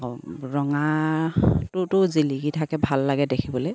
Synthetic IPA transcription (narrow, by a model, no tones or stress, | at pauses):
ɹɔŋa | tʊtʊziliɡitʰakɛbʱalːaɡɛdekʰibɔloj